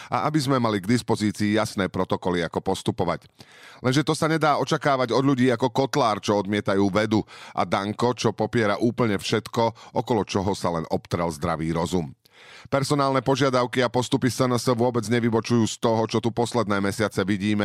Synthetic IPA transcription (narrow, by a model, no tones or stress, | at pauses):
ʔa̰ʔabizmɛmaliɡd̪ispɔziːt͡siːjasnɛːpɾɔt̪ɔkɔliakɔpɔst̪upɔʋa̰c | lʔɛnʒɛt̪ɔsaɲɛd̪aːɔt͡ʃakaːʋaɟɔd̪ʎuɟiːakɔkɔt̪laːɾt͡ʃɔɔd̪mɪɛt̪ajuːʋɛd̪uʔa̰d̪aŋkɔt͡ʃɔpɔpɪɛɾaʔuːpl̩ɲɛfʃɛt̪kɔʔɔkɔlɔt͡ʃɔɦɔsalɛnɔpt̪ɾɛlzd̪ɾaʋiːɾɔzum | pɛɾsɔnaːlnɛpɔʒɪad̪aʊkiapɔst̪upisənsəʋʊɔbɛd͡zɲɛʋibɔt͡ʃujuːst̪ɔɦɔt͡ʃɔt̪upɔslɛd̪nɛːmɛsɪat͡sɛʋiɟiːmɛ